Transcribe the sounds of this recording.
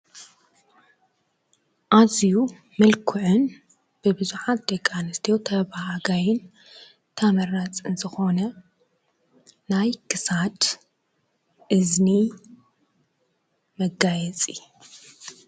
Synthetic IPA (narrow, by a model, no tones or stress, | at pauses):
ʔaziju | mɐlkʰʊʕɨn | b̥ɨbɨzuħat̪̚d̪ekʼanɨst̪ʰijot̪ʰɐβahaɡajɪn | t̪ʰamɐɾat͡sʼɨnzɨxo̞nɐ | najkʰɨsad̪ | ʔɨzni | mɐɡajɛt͡sʼi